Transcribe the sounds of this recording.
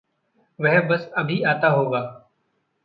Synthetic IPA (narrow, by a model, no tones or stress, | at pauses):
ʋɛɦbəsəbʱiːaːt̪aɦoːɡaː